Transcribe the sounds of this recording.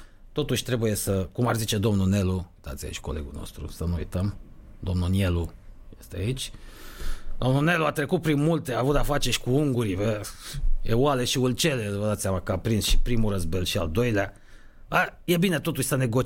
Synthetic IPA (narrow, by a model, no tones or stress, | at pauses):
t̪o̞t̪uʃʲt̪ɾe̞buje̞səkumarzit͡ʃe̞d̪o̞mnune̞luuijt̪a̰t̪sʲja̰ḭt͡ʃʲko̞le̞̰ɡṵno̰st̪ɾṵsənuṵjt̪əm | d̪o̞mnunielujest̪eait͡ʃʲ | d̪o̞mnune̞luat̪ɾe̞kut̪̚pɾinmult̪eaːvut̪afat͡ʃeʃkuuŋɡuɾive | ealeʃiult͡ʃe̞levəd̪at̪sʲjamakəapɾinsʃi̥pɾimurəzbe̞lʃia̰ld̪o̞jlea | aje̞bine̞t̪o̞t̪uʃʲsəne̞ɡo̞